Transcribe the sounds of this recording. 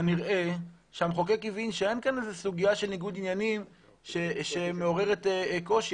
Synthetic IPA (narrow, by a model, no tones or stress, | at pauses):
niʁʔe̞ | ʃeamχo̞ke̞kivinʃee̞nkanezesuɡijaʃe̞lniɡud̪injanim | ʃeʃemeo̞ʁe̞ʁetko̞ʃi